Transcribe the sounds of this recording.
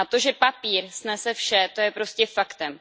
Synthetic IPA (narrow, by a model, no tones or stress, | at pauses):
at̪o̞ʒɛpapiːɾsnɛsɛfʃɛt̪o̞jɛpɾo̞scʲɛfakt̪ɛm